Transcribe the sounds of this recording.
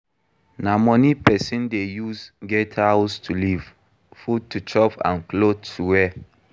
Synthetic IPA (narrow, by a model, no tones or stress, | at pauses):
namɔnipɛsĩndejusɡɛthawstʰuliv̥ | fud̚tːut͡ʃɔpã̰nklotʰːuwɛ